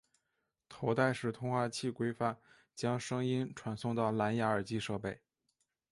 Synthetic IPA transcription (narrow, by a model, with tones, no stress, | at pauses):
t̪ʰo˧˥ʊt̪a˥˧ɪʂɻ̩˥˩t̪ʰʊ˥ŋxwa˥˧t͡ɕʰi˥˩kwe˥ɪfa˥˩n | t͡ɕjɑ˥ŋʂɤ˥ŋi˥nʈ͡ʂʰwa˧˥nsʊ˥˧ŋt̪ɑ˥˩ʊla˧˥nja˧˥ə˞˨˩t͡ɕi˥ʂɤ˥˧pe˥˩ɪ